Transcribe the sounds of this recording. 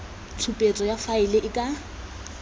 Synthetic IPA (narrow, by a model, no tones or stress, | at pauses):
t͡sʰupʼet͡sʼɔjafaɪlɪʔɪkʼa